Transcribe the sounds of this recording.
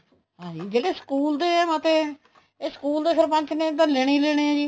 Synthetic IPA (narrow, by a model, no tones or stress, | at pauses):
hãːd͡ʒiːd͡ʒeːɽeːsə̥kuːld̪eːmət̪eː | eːsə̥kuːld̪eːkʰəɾpə̃ɲt͡ʃnẽːd̪ənlɛːɽ̃iːlɛːɽ̃eːɛːd͡ʒiː